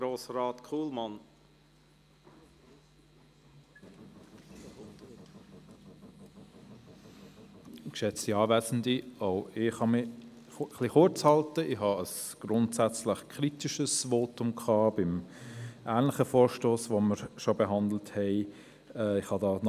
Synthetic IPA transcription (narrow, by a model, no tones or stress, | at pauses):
ɾoːsɾɑːtkʰuːlmɑn | kʃɛt͡stiɑːvɛːsn̩dioʊɪχhɑmɪ | χliχʊɾt͡shɑltəɪhɑəsɡ̥ɾʊntsæt͡slɪχkʰɾitiʃəsvoːtʊmkʰχɑːb̥ɪmʔæːnlɪχəfoːɾʃtoːsvoməɾʃobəɦɑndl̩thɛɪ | ɛɪχhɑdɑːn